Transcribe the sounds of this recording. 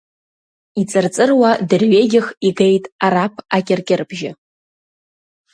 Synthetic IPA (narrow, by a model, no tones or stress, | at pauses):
it͡sʼɨrt͡sʼɨrwadɨrɥeɡʲɪχiɡejtʼaɾapʰakʲʼɪrkʲʼɪrbʒɪ